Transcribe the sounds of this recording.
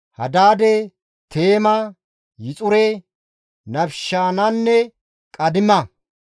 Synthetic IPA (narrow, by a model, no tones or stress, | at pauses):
hɐ̰d̪aːd̪ɛ | t̪ʰe̞ːmɐ | jɪt͡sʼʊɾɛ | nɐbʃaːnɐnːɛ | kʼɐd̪ɪmɐ